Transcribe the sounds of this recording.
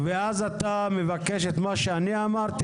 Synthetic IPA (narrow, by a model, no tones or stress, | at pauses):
veazat̪amevakeʃet̪maʃeaniamaʁt̪i